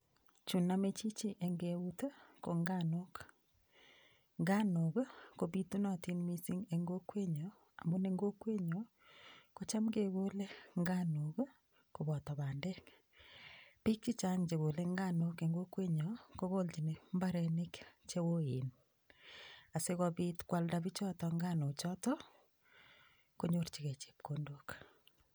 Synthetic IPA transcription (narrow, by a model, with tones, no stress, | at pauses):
t͡ʃu˨namet͡ʃi˦t͡ʃi˦ʔe˨ŋɡeu˦ta˦ko˨ŋɡano˦k | ŋɡa˦noɣkoβi˦tu˦na˦ti˦nmi˦si˦ŋeŋɡo˦kwe˦ɲɔ | a̰˨mbo˦neŋɡo˦kwe˦ɲɔ | ko˦t͡ʃa˦mɡeɣolɛ˦ŋɡanoɣ | ko˨βɔ˨ta˨βaː˨ndɛ˦ | pi˦k̚t͡ʃi˦t͡ʃa˦ŋd͡ʒe˨βo˨le˦ŋɡa˦no˦ke˨ŋɡo˦kwe˦ɲɔ˨ko˦ɣo˦lt͡ʃi˨ne˨mba˦ɾɛ˨ne˦kt͡ʃe˦wo˦ei˨n | a˨se˦ɣɔβi˦tkwa˨lda˨βi˦t͡ʃɔ˦tɔ˨ŋɡa˦no˨t͡ʃɔ˦tɔ˦ | ko˦ɲo˦ɾt͡ʃi˨ɣe˨t͡ʃe̥˨p̚kondo˦k